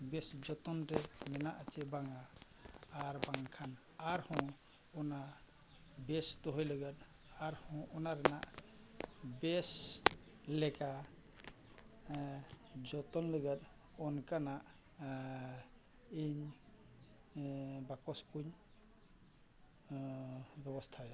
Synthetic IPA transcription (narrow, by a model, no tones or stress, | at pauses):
bɛsd͡ʒɔt̪ɔnɾɛmɛnaʔat͡ʃɛbaŋaː | ɾbaŋkʰan | aɾhɔ̃ | ɔna | bɛst̪ɔɦɔjləɡət̪̚ | aɾhɔ̃ʔɔnaɾɛnaʔ | bɛs | lɛka | d͡ʒɔt̪ɔnləɡət̪̚ | ɔnkanaʔ | iɲ | bakɔskuɲ | bɛbɔst̪ʰa